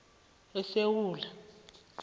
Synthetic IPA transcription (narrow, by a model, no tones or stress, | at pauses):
ɛsewuːla